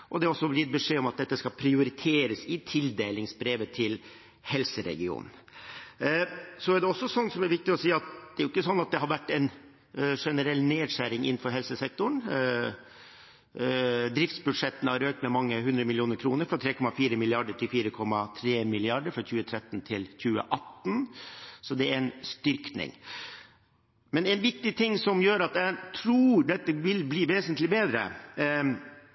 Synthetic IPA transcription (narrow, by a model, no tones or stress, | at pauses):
ʔɔd̪ɛɾɔsːɔblɪt̪̚bəʂeːɔmɑt̪̚d̪ɛt̪ːəskɑpʰɾɪʊɾɪt̪ʰeːɾəsɪt̪ʰɪld̪eːlɪŋsbɾeːʋət̪ʰɪl | hɛlsəɾɛ̰ɡɪṵːnn̩ | sɔæɖɛɔsːɔsɔnːsɔmæɾʋɪk̚t̪ɪɔsiːɑt̪̚d̪̥ɛæɾjʊɪkːəsɔnːɑt̪̚d̪ɛɦɑɾʋæʈːɛn | ʂɛnəɾɛlneːd̪ʂæɾɪŋɪ̰nn̩fɔɾɦɛlsəsɛk̚t̪ʊɳ | d̪ɾɪft̪sbʉd̪ʂɛt̪ən̩hɑɾøːk̚t̪mɛmɑŋːəɦʉnd̪ɾəmɪlɪjuːnəɾkʰɾuːnəɾfɾɑt̪ʰɾeːkʰɔmɑfiːɾəmɪlɪɑɖəʈʰɪlfiːɾəkʰɔmːɑt̪ʰɾeːmɪlɪɑɖəɾfɾɔçʉːət̪ʰɾɛt̪ːn̩t̪ʰɪlçʉːə̰ʔɑt̪ːn̩sɔd̪ɛæɾɛnst̪ʏɾknɪ̰ŋ | mɛnɛnʋɪk̚t̪ɪt̪ʰɪŋːsɔmjøːɾɑt̪æt̪ʰɾuːɖ̪ɛt̪ːəʋɪlbliːʋeːsənt̪lɪbeːd̪ɾə̰